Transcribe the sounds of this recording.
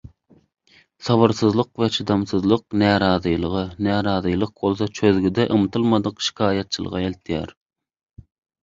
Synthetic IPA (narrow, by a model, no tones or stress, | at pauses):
sɑvɑɾsɨzlˠəqvɛt͡ʃʰɨd̪ɑmsɨzlˠəq̚nɛːɾɑːzɨjlˠəʁənɛːɾɑːzɨjlˠəq̚bolˠs̬ɑt͡ʃʰøðɡʲyd̪ɛʔɨmt̪ʰɨlˠmɑd̪əqʃi̥kʰɑːjɑt̪̚t͡ʃʰɨlˠə̰ʁɑelt̪ʰijɛ̰ɾ